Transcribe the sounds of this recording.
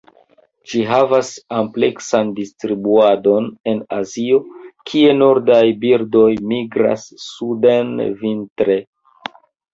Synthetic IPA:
d͡ʒiɦavasample̞ksandistɾibuado̞ne̞nazio̞kʰie̞no̞ɾdajbiɾdo̞jmiɡɾa̰sːudenvintɾe̞

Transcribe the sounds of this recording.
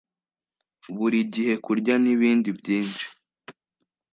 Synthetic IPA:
βuɾiɟihe̞kuɾɟaniβiːndibɟiːnt͡ʃi̥

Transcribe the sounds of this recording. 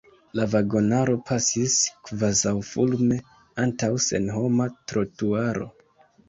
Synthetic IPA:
lavaɡo̞naɾo̞pʰasiskvazawfulme̞ | antawse̞̰nɦo̞matɾo̞tuaɾo̞̰

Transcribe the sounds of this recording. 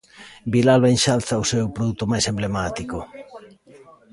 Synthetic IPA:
bilalβaenʃalθɐʊsewpɾoðut̪ʊmajsemblemat̪iko

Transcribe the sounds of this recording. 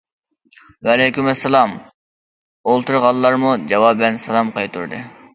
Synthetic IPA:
vɛlɛjkʲymɛsːɛlˠɑm | olˠt̪uɾʁɑlˠːɑɾmud͡ʒɑwɑbɪlɛnsɛlˠɑmqɑjt̪ʰṵɾd̪ɨ̰

